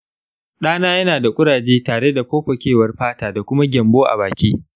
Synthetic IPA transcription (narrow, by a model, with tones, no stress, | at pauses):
ɗaː˦naː˦jɐ˦naː˨da˨kʷʼʊ˦ɽaː˨d͡ʒeː˦taː˨ɽe˦da˨ɸoː˦ɸɐ˨kʲeː˦˨wɐ˦rɸaː˦taː˨da˨kʷʊ˦ma˦ɡʲɐ˨mboː˦ʔa̰˨βaː˨kʲiː˦